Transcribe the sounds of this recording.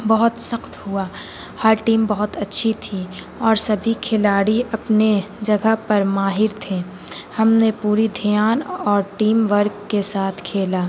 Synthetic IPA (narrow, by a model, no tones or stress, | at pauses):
bɐɦʊt̪sɐxt̪ɦʊaː | həɾʈiːmbɐɦʊt̪ɐtːʃʰit̪ʰi | ɔːɾsɐbʱikʰɪlaːɽiʔɐpne | d͡ʒɐɡəpɐɾmaːɦɪɾt̪ʰeː | hɐmnepuːɾid̪ʱijaːnɔːɾʈiːmʋəɾɡkesaːt̪ʰkʰeːlaː